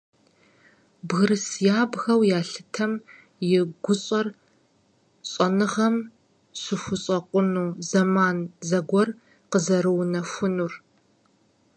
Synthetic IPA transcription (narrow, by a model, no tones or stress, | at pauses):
bɣɨɾɨsjaːbɣɐwjaːɬɨtʰɐm | jɪɡʷʊɕʼɐr | ɕʼɐnɨʁɐm | ɕɪxʷʊɕʼɐqʷʼʊnuːzɐmaːnzɐɡʷɔr | qəzɐɾɨwnɐxʷʊnur